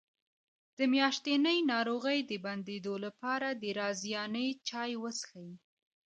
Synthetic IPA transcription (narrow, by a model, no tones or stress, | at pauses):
d̪̥əmjɑʃt̪enəjnɑɾoɣəjd̪əband̪ed̪olapɑɾad̪əɾɑzjɑnəjt͡ʃɑjwəsə̥xaji